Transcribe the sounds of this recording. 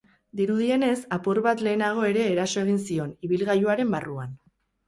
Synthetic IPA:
d̪iɾuðie̞ne̞sapuɾβat̪le̞ːnaɣ̞o̞e̞ɾe̞ːɾaso̞e̞ɣ̞insio̞niβ̞ilɣajuaɾe̞mbaruan

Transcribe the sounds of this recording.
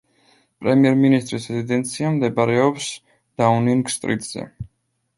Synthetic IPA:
pʼɾɛmiɛɾminist̪ʼɾisɛzid̪ɛnt̪sʰiamd̪ɛbaɾɛɔps | d̪̥auniŋɡst̪ʼɾḭt̪ʼz̥ɛ̰

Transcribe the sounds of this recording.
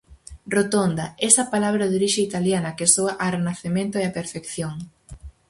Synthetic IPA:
rot̪ond̪ɐɛsɐpalaβ̞ɾɐðoɾiʃeit̪aljanɐkesoaʔarenaθemẽnt̪oeapeɾfekθjoŋ

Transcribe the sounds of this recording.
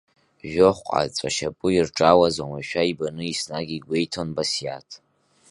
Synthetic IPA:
ʒᶣoχʷqʷʼa̰t͡sʷʼa̰ʃapʼʊirʈ͡ʂʼawazwamaʃᶣaibanɨisnaɡʲiiɡʷe̞jtʰonbasja̰tʰ

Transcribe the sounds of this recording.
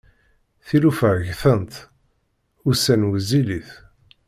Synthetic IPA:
θilufəʕʝθənt̪ | ʊsænwəziliθ

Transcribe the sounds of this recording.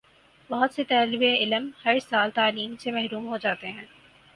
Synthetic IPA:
bɐɦʊt̪set̪ɛːlʋeɪləmhɐɾsaːlt̪aːliːmsemɛɦɾuːmɦod͡ʒaːt̪eɦɛ̃ː

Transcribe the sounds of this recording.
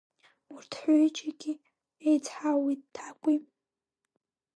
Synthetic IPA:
urtʰħʷot͡ʃʰʼaɡʲi | ejt͡sʰħawittʰakʷʼi

